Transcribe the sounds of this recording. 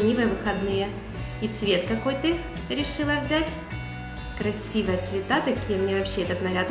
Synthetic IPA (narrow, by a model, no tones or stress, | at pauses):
nʲivəjəvɨxɐd̪nɨjə | it̪svʲe̞t̪kɐko̞jt̪ɨ | ɾʲɪʂɨlˠəvzʲætʲ | kɾɐsʲivəjət̪svʲɪt̪at̪ɐkʲijəmnʲevɐpɕːeɛt̪ət̪nɐɾʲat̪